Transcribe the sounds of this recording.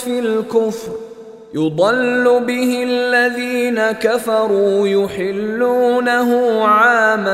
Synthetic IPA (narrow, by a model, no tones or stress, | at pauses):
filkʊfɾ | jʊd̪ˤɑlːʊbɪhɪalːaðiːnakafɑɾˤuːjʊħɪlːuːnaɦʊmʕaːma